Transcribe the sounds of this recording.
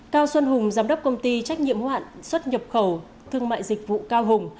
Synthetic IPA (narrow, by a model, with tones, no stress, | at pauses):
kaː˧wswə˧nɦʊ˨˩ŋ͡mzaː˨˦mɗə˦˥wk͡p̚kə˧wŋ͡mt̪i˧t͡ɕa˦˥k̟̚ɲḭ˧˨əmhwa̰ː˧˨nswə˦˥t̚ɲə˨˩p̚xə˨˧˩w | t̪ʰɨ˧əŋma̰ː˧˨jzï˨˩k̟̚vṵ˧˨kaː˧wɦʊ˨˩ŋ͡m